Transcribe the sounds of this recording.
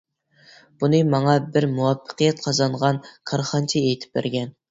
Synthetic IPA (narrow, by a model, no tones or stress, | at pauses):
b̥unɨmɑŋɑbɪɾmuwɑpʰːə̥qɨjɛt̪̚qʰɑzɑɴʁɑnkʰɑɾχɑnt͡ʃʰiejt̪ʰɪ̥p̚bæ̰ɾɡʲɛn